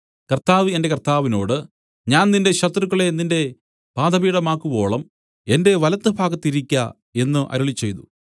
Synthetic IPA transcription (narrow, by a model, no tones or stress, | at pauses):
kɐrt̪aːʋe̞nde̞kɐrt̪aːʋino̞̰ːɽɨ | ɲaːnninde̞ɕɐt̪rukːɐɭe̞ninde̞ | paːd̪ɐbiːɽɐmaːkːubo̞ːɭɐm | e̞nde̞ʋɐlɐt̪ːɨbʱaːɡɐt̪ːiɾikʲːɐ | e̞nːɨʔɐ̰ɾuɭit͡ɕːe̞jt̪ṵ